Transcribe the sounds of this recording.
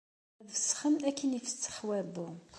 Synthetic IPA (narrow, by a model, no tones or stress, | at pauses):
vəsχəmækːinifə̥t͡sːə̥ħwæbu